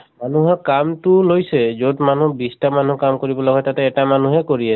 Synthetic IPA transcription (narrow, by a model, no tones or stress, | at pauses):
manuɦɔkamtʊlojsɛzodmanubistamanukamkoɹibɔlɔɡɔjtatɛːtamanuɦɛkoɹiɛ